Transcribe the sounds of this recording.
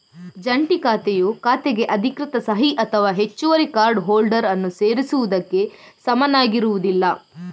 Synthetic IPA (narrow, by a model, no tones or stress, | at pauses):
d͡ʒɐɳʈikaːt̪ejukaːt̪eɡe̞ʔɐd̪ʱikɾɪt̪ɐsɐɦiʔɐt̪ʰɐʋaːɦe̞t͡ʃːuʋɐɾikaːɾɖɦoːlɖɐɾɐnːuseːɾisuʋud̪ɐkːe̞ | sɐmɐnaːɡiɾuʋud̪ilːɐ